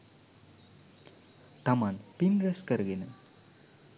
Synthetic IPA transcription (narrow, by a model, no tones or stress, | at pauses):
t̪amanpinɾeskəɾɡenə